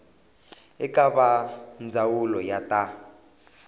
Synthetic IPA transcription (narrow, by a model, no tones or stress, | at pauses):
ɛkʼaβand͡zʱawulɔjatʼa